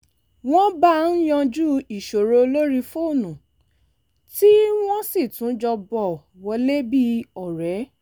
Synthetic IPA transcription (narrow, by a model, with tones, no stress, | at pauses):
w̃ɔ̃˦ba˦n̩˦jɔ̃˧d͡ʒu˦i˨ʃo˨ɾo˧lo˦ɾi˧fo˦˨nũ˨ | ti˦w̃ɔ̃˦si˦˨tũ˨˦d͡ʒɔ˧bɔ˨ | wɔ˧le˦bi˦ɔ˨ɾɛ˨˦